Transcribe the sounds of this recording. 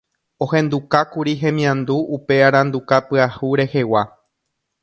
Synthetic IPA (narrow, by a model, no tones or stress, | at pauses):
õ̞hẽ̞nd̪ukakuɾiɦẽ̞mĩãnd̪uːpe̞aɾãnd̪ukapɨahuɾe̞he̞wa